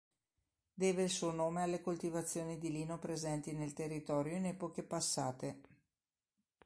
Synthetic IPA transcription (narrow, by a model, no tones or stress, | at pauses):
d̪eːveilsuːonoːmealːekolt̪ivat̪sːjoːnid̪iliːnopɾezɛnt̪inelt̪erːit̪ɔːɾjoinɛːpokepasːaːt̪e